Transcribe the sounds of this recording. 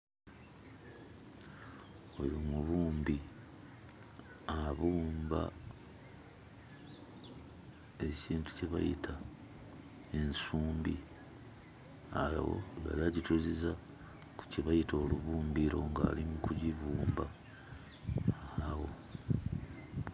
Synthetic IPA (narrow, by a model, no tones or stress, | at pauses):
ojumuβuːmbi | aβuːmba̰ | e̞ciːntu̥ceβa̰jḭtʰa | ensuːmbi | awo̰ɡa̰laɟituziza | ku̥ciβajito̞ːluβuːmbiɾo̞̰ŋɡa̰ːlimukuɟiβuːmba | wo̞